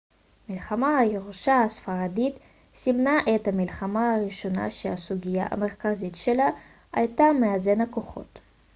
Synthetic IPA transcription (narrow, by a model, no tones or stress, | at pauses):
milχamaajeʁuʃahasfaʁadit | simnaʔethamilχamaaʁiʃo̞na̰ʃehasuɡija̰ʔa̰me̞ʁkazitʃe̞la | ajt̪ameazenako̞χo̞̰t